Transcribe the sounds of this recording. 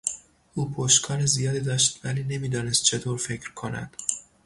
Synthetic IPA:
ʔuːpʰoʃkʰɒːɾezijɒːd̪iːd̪ɒːʃt̪væliːne̞miːd̪ɒːne̞st̪̚t͡ʃʰe̞t̪ʰoːɾfe̞cʰɾkʰonæ̰d̪̥

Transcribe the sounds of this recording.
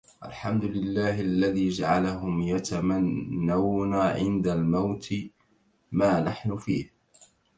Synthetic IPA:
ʔa̰lħamd̪ʊlɪlːaːhalːaðiːd͡ʒaʕalaɦʊmjat̪amanːawnaːʕɪ̰nd̪almawt̪ɪ | maːnaħnʊfiːh

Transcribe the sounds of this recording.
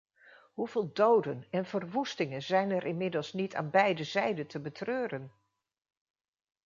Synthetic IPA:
ɦuv̥ɪːlˠdowdənɛnvərʋustɪŋənzɛjnɛɾʔɪnmɪdəlˠsnitʰa̰ːnbɛjdəzɛjdəntəbətrøːrən

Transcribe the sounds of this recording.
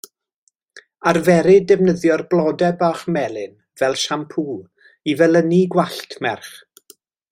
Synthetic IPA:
arvɛɾɪdɛvnəðjɔrblˠɔdɛbaχmɛlˠɪn | vɛlˠʃampʰuːlˠ | ivɛlˠəniɡwaɬtʰmɛrχ

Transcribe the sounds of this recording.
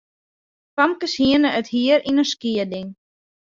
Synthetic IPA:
pamkəshiənəəthiəɾinəskiədɪŋ

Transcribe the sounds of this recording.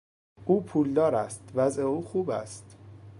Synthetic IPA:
ʔuːpʰuːld̪ɒːɾæst̪væzʔeuːxuːbæ̰st̪

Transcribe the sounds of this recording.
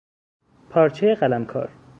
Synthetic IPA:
pʰɒːɾt͡ʃʰejeɢælæmkʰɒ̰ːɾ

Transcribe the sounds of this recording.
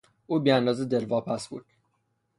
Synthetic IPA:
ʔuːbiːænd̪ɒːzed̪elvɒːpʰæsbṵːd̪̥

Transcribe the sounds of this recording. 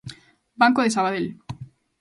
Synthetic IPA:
baŋkoðesaβaðel

